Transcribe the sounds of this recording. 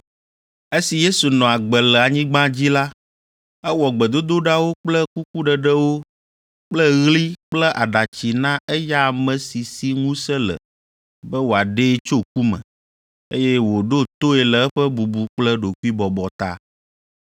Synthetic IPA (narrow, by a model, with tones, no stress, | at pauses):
e˦si˨je˦su˨nɔ̃˨a˨ɡ͡bɛ˨lɛ˨a˨ɲĩ˦ɡ͡bã˦d͡ʑi˦la˦ | ɛ˦wɔ˨ɡ͡bɛ˨d̪o˦d̪o˦ɖa˦wo˦k͡plɛ˦ku˦ku˦ɖɛ˨ɖɛ˦wo˦ | k͡plɛ˦ɣli˦k͡plɛ˦ʔa˨ɖa˨t͡ɕi˨nã˦ɛ˦ja˦˨mɛ̃˨si˨si˦ŋũ˦sɛ˦lə̰˨ | bɛ˦wo˨a˨ɖe˦t͡ʃo˦k̚u˦mɛ̰̃˨ | e˦jɛ˦wo˨ɖo˦t̪o˦ɛ˨lə˨ɛ˦ɸɛ˦bu˨bu˨k͡plɛ˦ɖo˨ku˦i˦bɔ˨bɔ˨t̪a̰˦